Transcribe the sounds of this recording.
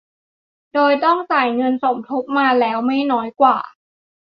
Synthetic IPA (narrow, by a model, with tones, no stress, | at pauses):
doː˧jt̪ɔ˥˩ŋsaː˨˩jŋɤ˧nso˨˩˦mt̪ʰo˦˥p̚maː˧lɛː˦˥wma˥˩jnɔː˦˥jkwa̰ː˨˩